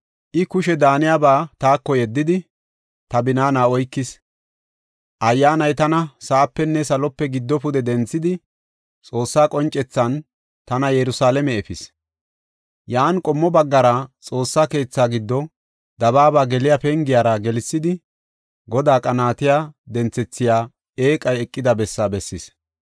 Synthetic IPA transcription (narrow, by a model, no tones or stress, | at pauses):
ʔɪkʊʃɛd̪aːnɪjaːbaːt̪aːkːɔjɛd̪ːɪd̪ɪ | t̪ɐbɪnaːnaːɔjkːɪs | ʔɐjːaːnɐjt̪ɐnɐsaʔːpːɛnːɛsɐlɔpːɛɡɪd̪ːɔpʊd̪ɛd̪ɛnt͡sːɪd̪ɪ | t͡sʼo̞ːsːaːkʼɔnt͡ʃʼɛt͡sːɐn | t̪ɐnɐjɛɾʊsaːlɛmɛɛfɪs | jaːnkʼɔmːɔbɐɡːɐɾɐt͡sʼo̞ːsːaːke̞ːt͡sːaːɡɪd̪ːɔ | d̪ɐbaːbaːɡɛlɪjapɛŋɡɪjaːɾɐɡɛlɪsːɪd̪ɪ | ɡɔd̪aːkʼɐnaːt̪ɪjaːd̪ɛnt͡sːɛt͡sːɪjaː | eːkʼɐjɛkʼːɪd̪ɐbɛsːaːbɛsːɪs